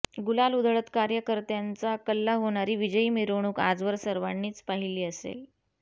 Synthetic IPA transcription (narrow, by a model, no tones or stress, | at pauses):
ɡulalud̪ʱəɭət̪kaɾjəkəɾt̪jant͡sakəlːaɦoɳ̃aɾiːʋid͡ʑəiːmiɾɽ̃uːka̰d͡zʋəɾsəɾʋaɳːiːt͡spaɦiliːəsḛl